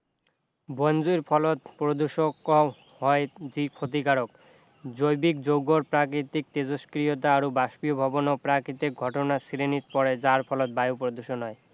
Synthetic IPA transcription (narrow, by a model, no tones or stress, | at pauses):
bond͡ʑujɾpʰɔlot̪̚pɾod̪uʃoko | hɔed͡ʑikʰot̪̬ikaɾok̚ | d͡ʑojbik̚d͡ʑowɡoɾpɾakɾit̪ik̚t̪ed͡ʑoskɾiot̪̬aaɾobaʃpiobʱɔbonopɾakɾit̪ik̚ɡʱɔʈonasiɾenit̪pɔɾed͡ʑaɾpʰɔlot̪̚bajopɾod̪uʃonɦɔe